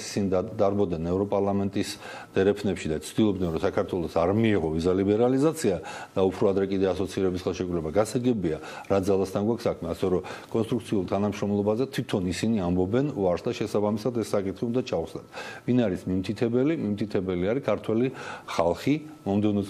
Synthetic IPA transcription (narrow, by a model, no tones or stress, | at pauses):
si̥sinid̪aɾbɔd̪nɛnɛvɾɔpʼaɾlˠamɛnt̪ʼis | d̪̥ɛɾɛpʰnɛpʃid̪at̪t͡ʃ̪ʰd̪̥ilˠɔbd̪ɛnɾɔsakʰaɾt̪ʰwɛlˠɔsaɾmiɛʁɔvizalibɛɾalizat̪sʰiad̪̥aupʰɾɔad̪ɾɛkʼid̪ɛasɔt̪sʰiɾɛbisχɛlˠʃikʼɾulɛbaɡasaɡɛbia | ɾad̪zalˠast̪ʰanɡwakʰsakʰmɛasɛɾɔkʼɔnst̪ʼɾuk̚t̪sʰiulˠt̪ʰanamʃɾɔmlˠɔbazɛt̪ʰw̥it̪ʰɔnisiniambɔbɛnvaɾsd̪aʃɛsabamisad̪ɛsːakʼit̪ʰχiund̪at͡ʃʰauwsnat̪ʰvinaɾismimt̪ʰit̪ʰɛbɛlimimt̪ʰit̪ʰɛbɛliaɾikʰaɾt̪ʰwɛliχalˠχimɔmd̪ɛvnɛ